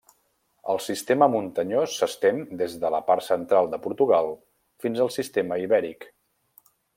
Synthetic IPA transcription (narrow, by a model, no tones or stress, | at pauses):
ə̰lˠsist̪eməmunt̪əɲosːəst̪end̪ezðələpaɾsənt̪ɾalˠd̪əpuɾt̪uɣalˠ | finzəlˠsist̪eməiβɛɾik